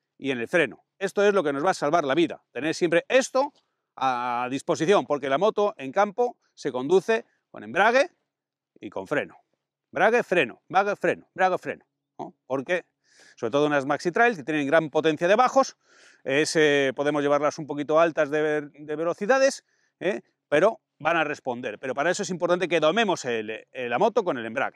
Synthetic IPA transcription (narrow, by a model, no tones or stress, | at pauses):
ḭe̞ne̞lfɾe̞no̰ | e̞st̪o̞e̞zlo̞ke̞no̞zβasalβaɾlaβiða̰t̪e̞neɾsje̞mpɾe̞ʔe̞st̪o | aðispo̞siθjo̞mpo̞ɾke̞lamo̞t̪oʔe̞ŋkampo | se̞ko̞nd̪uθe̞ | ko̞̰nembɾaɣ̞e | ḭko̞̰ɱfɾe̞̰no | mbɾaɣ̞efɾe̞no̰bɾaɣefɾe̞nombɾaɣefɾe̞̰no | nopo̞ɾke̞ | soβɾet̪oounazmaksit̪ɾajlket̪jene̞ŋɡɾampo̞t̪e̞n̟θjað̞eβaxo̞s | esepo̞ðemo̞zʝe̞βaɾlasumpo̞kit̪oalt̪azðed̪eβe̞lo̞θiðaðe̞s | e | pe̞ɾo̞ | banare̞spo̞nd̪e̞ɾpe̞ɾo̞paɾae̞soes̬impoɾt̪ant̪e̞ke̞ðo̞mẽ̞mo̞selelamo̞t̪o̞ko̞ne̞le̞mbɾa̰ɣe